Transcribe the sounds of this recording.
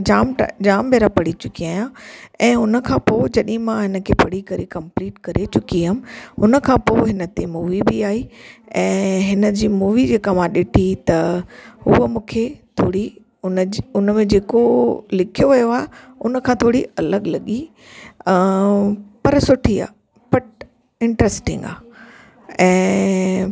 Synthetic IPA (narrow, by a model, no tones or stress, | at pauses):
d͡ʑaːmʈd͡ʑaːmbʱeːɾapɐɽ̤it͡ɕʊkiaːjãɛ̃ːʊnə̆kʰãːpoːd͡ʑɐɗɪɦɪ̃mãɦɪnə̆kʰeːpɐɽ̤ikɐɾikɐ̃mpliːʈkɐɾet͡ɕʊkiam̆ɦʊnə̆kʰãːpoːɦɪnət̪emuːʋibiaːɦiːɛ̃ːɦɪnə̆d͡ʑiːmuːʋid͡ʑeːkamãɗɪʈʰit̪ɐʊɦəmũːkʰet̪ʰoːɽi | ʊnʊnmẽd͡ʑeːkolɪkʰijoʋɐjoaːɦeʊnə̆kʰãːt̪ʰoːɽiɐləɠlɐɠi | pɐɾsʊʈʰia̰ː | b̥ɐʈ | ɪ̃ɳʈɾɛsʈɪ̰̃ŋɡa̰ː | ɛ̃ː